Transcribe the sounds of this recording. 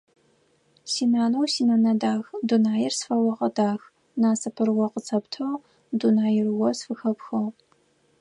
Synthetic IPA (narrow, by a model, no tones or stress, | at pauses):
siːnaːnuwsiːnaːnɐdaːxdunaːjɪrsfɐwɐʁɐdaːx | naːsɐpʰɨrwɔqət͡sʰɐptʰɐw | dunaːjɪrwɔsfɨxɐpxɐw